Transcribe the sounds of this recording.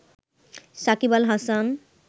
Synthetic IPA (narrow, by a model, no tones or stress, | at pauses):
sakibalɦasan